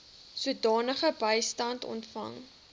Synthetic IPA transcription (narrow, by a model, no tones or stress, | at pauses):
suətdɑːnəχəbəjstɐntɔ̰ntfɐ̰ŋ